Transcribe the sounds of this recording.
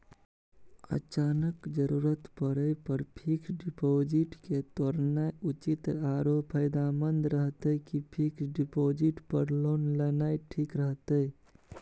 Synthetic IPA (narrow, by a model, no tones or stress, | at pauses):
ə̰t͡ʃanəkd͡ʒəɾuɾət̪pəɾəpəɾpʰiksɖipod͡ʒiʈket̪oɾnajut͡ʃit̪aɾopʰəjd̪amənd̪ɾəɦt̪əkipʰiksɖipod͡ʒiʈpəɾlonlənajʈʰikɾəɦt̪ə